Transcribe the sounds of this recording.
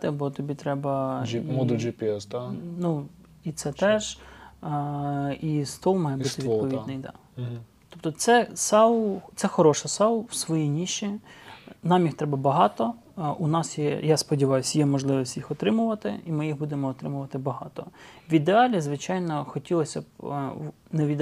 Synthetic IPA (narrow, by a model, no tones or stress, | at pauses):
t̪ɪbɔt̪ɔbʲit̪ɾɛbɐmɔd̪d͡ʒipʲiɛsd̪nu | it̪sɛt̪ɛʒ | ist̪ɔlˠmɑjɛbbut̪ɪʋʲid̪pɔʋiinɪjd̪ɑ̰t̪ɔp̚t̪ɔt̪sɛsɑwt̪sɛxɔɾɔʃɐsɑwˠwsʋɔjijnʲiʃi | nɑmjixt̪ɾɛbɐbɐɦɑt̪ɔ | ʊnɑsjɛ̰jaspɔdʲiʋɑjʊsʲjɛmɔʒlˠɪʋɔsʲtʲjixɔt̪ɾɪmʊʋɐt̪ɪ̰imɪjiɦbud̪emɔːt̪ɾɪmʊʋɐt̪ɪbɐɦɑt̪ɔwʲid̪eɑlʲizʋɪt͡ʃɑjnɔxɔtʲilˠɔsʲɐ | neid̪